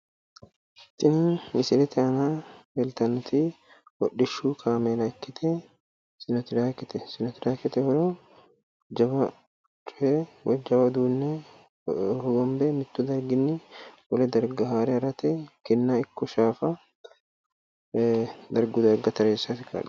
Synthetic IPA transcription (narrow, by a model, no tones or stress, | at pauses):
t̪ːɪnnɪsɪlɛt̪ɪɐnaːbɛlt̪ɐnt̪i | wɔɗːɪʃːuːkʰaːmelɐkːɪt̪ʰɛ | sɪnɔt̪ɪdaːkɪt̪ɛsɪnɔt̪ɪd̪aːkɪt̪ɛhɔɾoː | d͡ʒɐbɐ | t͡ʃʼʊewɐd͡ʒɐbɐd̪uːnːe | hɔɡɔmbemɪt̪ːʊd̪ɐɾɡɪnːɪwɔlɛd̪ɐɾɡɐɦaːɾɛɐɾɐt̪ɛkɛnːaːɪkːɔʃaːfɐ | d̪ɐɾɡʊd̪ɐɾɡɐt̪ɐɾeːsːat̪ɪka̰ᶑ